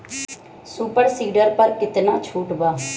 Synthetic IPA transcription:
suːpəɾsiːɖəɾpəɾkɪt̪naːt͡ʃʰuːʈbaː

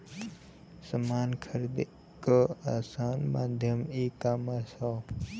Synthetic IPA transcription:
səmaːnkʰəɾd̪ | kəaːsaːnmaːd̪ʱjəmeːkaːmasaː

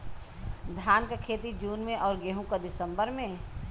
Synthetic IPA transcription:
d̪ʱaːnkakʰeːt̪id͡ʒuːnmẽʔɔːɾɡeːɦũkad̪ɪsə̃mbəɾmẽ

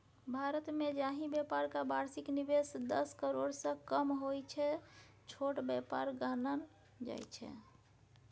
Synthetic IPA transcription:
bʱaɾət̪med͡ʒaɦĩbjapaɾkabaɾsiknibesd̪əskəɾoɽsə̃kəmɦojt͡ʃʰɛ | t͡ʃʰoʈbjapa̰ɾɡanən | d͡ʒa̰jt͡ʃʰɛ̰

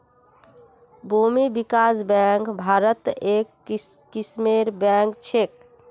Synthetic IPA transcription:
bʱumibikasbɛ̃ŋkbʱaɾət̪ekːismeɾbɛ̃ŋkt͡ʃʰek̚

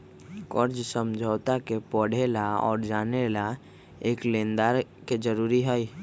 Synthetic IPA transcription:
kəɾd͡ʒsəmd͡ʒʱəːt̪akepəɽ̤elaɔ̰ːɾd͡ʒaːnela | eːklẽːnd̪aːɾ | ked͡ʒəɾuːɾiɦəi

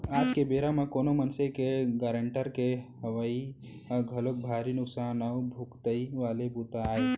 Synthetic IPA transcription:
ad͡ʒkebeɾamekonomənsekeɡəɾəɳʈəɾkeɦəʋəi | ɡʱəlok̚bʱaɾinʊksanawbʱukt̪əiʋalebut̪aːe

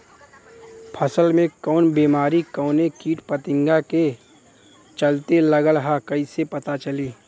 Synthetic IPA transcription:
pʰɐsəlmẽkɔːnbiːmaːɾikɔːnekiːʈpət̪ɪ̃ŋɡake | t͡ʃɐlt̪elɐɡəlɦakɐisepɐt̪at͡ʃɐliː

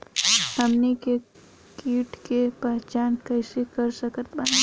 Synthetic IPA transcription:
hɐmnike | kiːʈkepaːt͡ʃaːnkəɪsekəɾsəkət̪bɐna

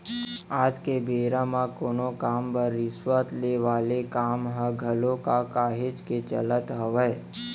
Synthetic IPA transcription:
ad͡ʒkebeɾamãkonokambəɾːɪsʋət̪leʋalekamɦəɡʱəlokakaɦed͡ʒket͡ʃə̰lət̪ɦəʋəj

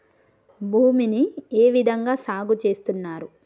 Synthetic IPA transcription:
bʱuːminieːʋid̪ʱɐŋɡaːsaːɡut͡ʃe̞ːst̪unːaːɾu

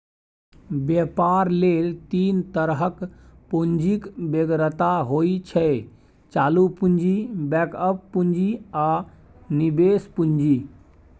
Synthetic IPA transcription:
bjepaɾlelt̪int̪əɾɦəkpund͡ʒikbeɡɾət̪aɦoit͡ʃʰɛ | t͡ʃalupund͡ʒibɛkəpːund͡ʒia | nibespund͡ʒi

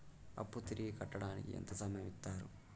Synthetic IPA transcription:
ɐ̰pːut̪iɾiɡikɐʈːɐɽaːnikḭḛnt̪ɐsɐmɐjɐmit̪ːaːɾṵ

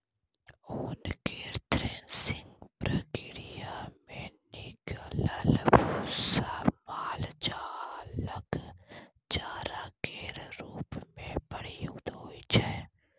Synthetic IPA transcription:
onkeːɾt̪ɾeːnsɪ̃ŋɡpɾəkɪɾijamẽnɪkələlbusamaːld͡ʒaləɡ | t͡ʃaːɾakeːɾɾuːpmẽbəɽ̤iud̪ɦoit͡ʃɛ

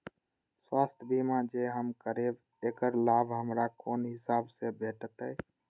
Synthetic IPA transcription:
swaːst̪ʰbimãd͡ʒeɦəmkəɾeb | eːkəɾlaːbʱɦəmɾakoːnɦɪsaːbsebʱeːʈʰət̪ɦə

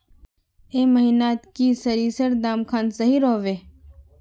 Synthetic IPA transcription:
eːməɦinaːt̪kisəɾiːsəɾd̪aːmkʰaːnsəɦiɾoːʋeː

